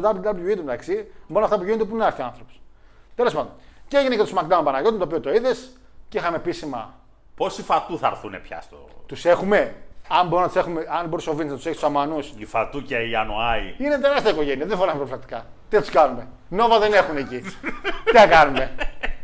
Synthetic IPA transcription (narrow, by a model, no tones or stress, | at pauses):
t̪ɐput̪ɐpujuint̪emet̪aksimboɾunɐft̪ɐpuʝiont̪epuineɐɾθiɐnθɾopu̥st̪e̞lospɐd̪onceeʝinect̪osmak̚d̪aõmpɐnɐʝo̞t̪mt̪opiot̪oiðes | ceixɐmepisimɐ̰ | po̞sifat̪uθɐ̰ɾθunepçɐ̰st̪o̰t̪use̞xume̞ɐmboɾunɐt̪use̞xumeɐnboɾisovineznɐt̪seçst̪samɐnusifat̪uceianoɐḭinet̪e̞ɾɐst̪iɐiko̞ʝe̞niɐðefoɾnɐsmpɾoplɐk̚t̪i̥kɐt̪it̪uskɐnume | no̞vɐðene̞xuneci | iθɐkɐnume̞